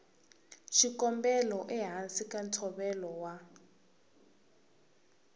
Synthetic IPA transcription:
ʃikɔmbɛlɔʔɛɦansikʼantʰɔβɛlɔwa

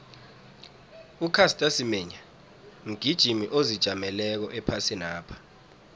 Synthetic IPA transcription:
ukʰastʼasimɛɲa | ŋ̩ɡ̥ʱid̥ʒ̥ʱimiʔozid̥ʒ̥ʱamɛlɛk̬ɔʔɛpʰasinaːpʰḁ

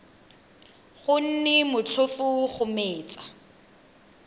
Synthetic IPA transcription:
χʊn̩nɪmʊt͡ɬʰʊfʊχʊmeːt͡sa

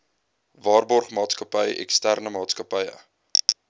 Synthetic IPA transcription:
vɑːrbɔrχmɑːtskəpəjɛ̰kstærnəmɑːtskəpəjə̰

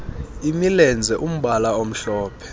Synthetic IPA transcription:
imilɛnd͡zʱɛʔum̩ɓalaom̩ɬɔːpʰɛ̥

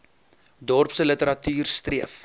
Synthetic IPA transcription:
dɔrpsələtəɾɐtyːrstriəf

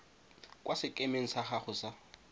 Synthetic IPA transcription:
kʼwʔasɪkʼemeŋ̩saχaχʊsa

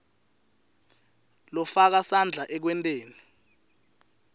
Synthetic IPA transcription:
lɔfak̬asand͡ɮʱaʔɛk̬wɛntʼeːni

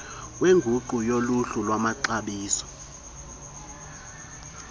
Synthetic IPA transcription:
weŋɡʱuǃujoluɬulwamaǀaɓiːsɔ̥

